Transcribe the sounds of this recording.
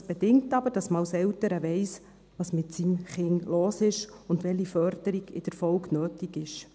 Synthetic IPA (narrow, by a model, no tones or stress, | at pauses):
sb̥ɛd̥ɪŋtɑbəɾd̥ɑsməwsɛwtəɾəʋɛɪs | ʋɑːsmɪtsimχɪŋloːsɪʃ | ʊndʋɛlifœrd̥əɾiɡ̥ɪ̰d̥əɾfɔwɡnøːtiɡɪʃ